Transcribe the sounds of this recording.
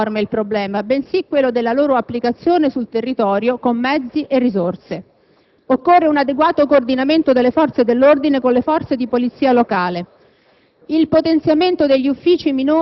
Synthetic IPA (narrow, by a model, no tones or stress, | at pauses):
rmeilpɾoblɛːmabensikːwelːod̪elːaloːɾoapːlikat̪sːjoːnesult̪erːit̪ɔːɾjokomːɛd̪zːiʔerːizorse | okːorːeunad̪eɡwaːt̪okoːrd̪inament̪od̪elːefɔrt̪sed̪elːord̪inekonlefɔrt̪sed̪ipolit̪sːiːalokaːle | ilpot̪ent̪sjament̪od̪eʎːiufːiːt͡ʃiminoː